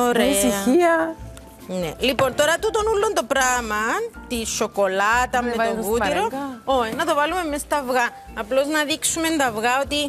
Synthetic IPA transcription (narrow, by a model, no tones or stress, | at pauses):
oɾesiɐiɐ | nelipo̞nt̪o̞ɾɐt̪ut̪o̞nulːond̪o̞pɾamɐt̪iʃo̞ko̞lɐt̪ɐmːeoɣut̪iɾooinɐt̪o̞vɐlume̞mːest̪ɐvɣɐː | plo̞znɐðiksume̞nd̪ɐvɣɐo̞t̪i